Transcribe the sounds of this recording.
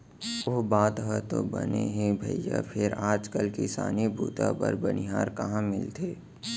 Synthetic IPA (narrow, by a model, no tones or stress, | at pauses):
oɦbaːt̪ɦɛt̪obəneɦẽbʱəjja̰pʰɪɾaːd͡ʒkəlkisa̰ːnibʱuːt̪apəɾbəniɦaːɾkɐɦãmɪlt̪ʰeː